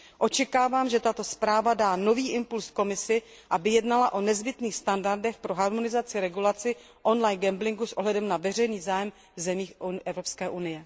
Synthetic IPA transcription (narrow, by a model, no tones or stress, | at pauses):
ʔo̞t͡ʃɛkaːvaːmʒɛt̪at̪o̞spɾaːvadaːno̞viːʔɪmpulsko̞mɪsɪʔabɪjɛdnalaʔo̞nɛzbɪt̪niːxst̪andaɾdɛxpɾo̞ɦaɾmo̞nɪzat͡sɪɾɛɡulat͡sɪ | ʔo̞nlajnɡɛmblɪŋɡusʔo̞ɦlɛdɛmnavɛr̝ɛjniːzaːjɛm | vzɛmiːxʔɛvɾo̞pskɛːʔunɪjɛ